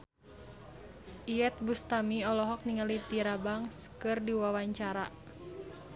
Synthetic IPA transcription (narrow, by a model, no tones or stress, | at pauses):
ʔijɛt̪̚bust̪amiɔlɔɦɔk̚niŋalit̪iɾabaŋskɨrdiwawaɲt͡ʃaɾa